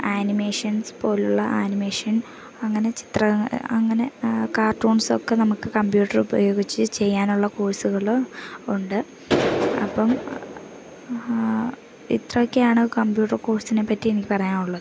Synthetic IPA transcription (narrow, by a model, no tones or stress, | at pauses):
aːnime̞ːʂɐnspo̞ːluɭːɐʔaːnime̞ːʂɐn | ɐŋːɐne̞t͡ɕi̥t̪rɐɐŋːɐne̞kaːrʈuːɳso̞̰kːenɐmukːɨkɐmbjuːʈːɐrubɐ̰j̰jo̞ːɡit͡ɕːɨt͡ɕe̞jːaːnuɭːɐkoːɻsuɣɐɭuɳɖɨ | ɐ̰pːɐm | ḭt̪rokːejaːɳɨkɐmbjuːʈːɐrkoːɻsinepːɐtːienikʲːipɐrɐjaːnuɭːɐðɨ